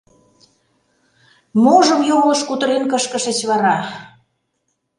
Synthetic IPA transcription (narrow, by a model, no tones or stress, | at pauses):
moʒə̆mjoɣlə̆ʃkut̪ə̆ɾenkəʃkəʃə̆t͡ɕβɑɾɑ